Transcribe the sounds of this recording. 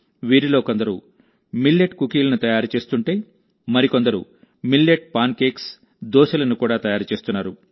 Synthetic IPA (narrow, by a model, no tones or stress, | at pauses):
ʋiːɾilo̞ːkond̪ɐɾṵ | milːeʈkukiːlɐnut̪ɐjaːɾut͡ʃe̞ːst̪uɳʈe̞ː | mɐɾiko̞nd̪ɐɾṵ | milːeʈ̚paːnke̞ːks | d̪ɔːʃɐlɐnukuːɽaːt̪ɐjaːɾut͡ʃe̞ːst̪unːaːɾu